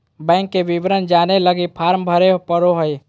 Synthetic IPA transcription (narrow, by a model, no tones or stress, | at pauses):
bɛ̃ŋkːeʋiʋɾənd͡ʒaneləɡipʰaːɾmbʱəɾeɦpəɾoɦəj